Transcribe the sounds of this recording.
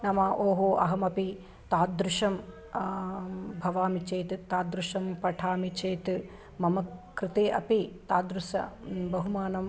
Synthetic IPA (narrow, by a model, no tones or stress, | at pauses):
nɐmɐʔoːɦoːʔɐ̰ɦɐmɐpi | t̪aːd̪ɾuʂɐm | bʱɐʋaːmit͡ʃeːt̪t̪aːd̪ɾuʂɐmpɐʈʰaːmit͡ʃeːt̪ | mɐmɐkɾɪt̪eːʔɐ̰pit̪aːd̪ɾusɐ̰bɐɦumaːnɐm